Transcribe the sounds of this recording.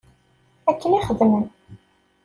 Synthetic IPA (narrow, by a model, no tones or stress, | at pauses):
ækːəniχəðmən